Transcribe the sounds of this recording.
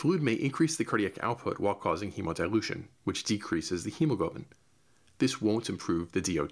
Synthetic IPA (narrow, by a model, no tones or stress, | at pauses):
flud̚meɪʔɨ̃nkʰɹ̥isðɨkʰɜ˞ɾiɨkʰa̰ʊt̚pʰʊ̰ʔwaɪlˠkʰɔzɪ̃ŋhimədaɪlˠʉʃɨ̰̃nwɨt͡ʃd̥ɨkʰɹ̥isɨzðɨhʉ̃moɡʌʊʔmɨ̃n | ðɪswõʊ̃ntɨ̃m̩pʰɹ̥ʉvðɨdioʊ